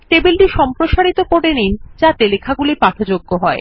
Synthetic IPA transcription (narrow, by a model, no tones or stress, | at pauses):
ʈebilʈiʃɔmpɾoʃaɾit̪okoɽenind͡ʑat̪elekʰaɡulipat̪ʰod͡ʑoɡːoɦɔe